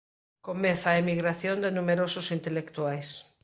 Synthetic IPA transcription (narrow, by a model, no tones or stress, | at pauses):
komeθaemiɣɾaθjond̪ɪnumeɾosʊsint̪elekt̪uajs